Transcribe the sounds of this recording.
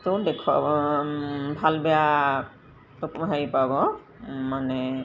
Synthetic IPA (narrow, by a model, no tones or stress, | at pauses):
t̪odekʰa̰bɔ | bʱalbɛja | ɔkmɦaipabɔ | manɛ